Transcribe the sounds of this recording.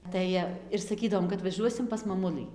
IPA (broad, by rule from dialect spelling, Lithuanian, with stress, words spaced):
ˈtɐɪ ɪr sɐˈkʲiːdɐʋoːm kɐt ʋɐˈʒuɔsʲɪm pɐs mɐˈmʊlˠɨ